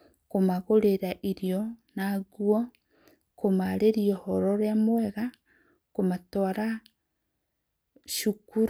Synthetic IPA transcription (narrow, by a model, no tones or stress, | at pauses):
komaɣoɾeɾaʔiɾjɔnaɣwɔ | komaɾeɾiɔhɔɾɔɾeamwɛɣa | komatɔaɾa | ʃukuɾ